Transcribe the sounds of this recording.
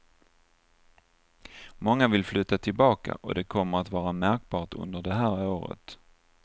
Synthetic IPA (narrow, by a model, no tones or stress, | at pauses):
mɔŋːavɪlflʉ̟ːt̪at̪ʰɪlbɑːka̰ʔɔ̰d̪ɛkʰɔmːəɾat̪vɑːɾamæɾk̚bɑːʈɵ̰nd̪əɖɛɦæːɾoːɾə̰t̪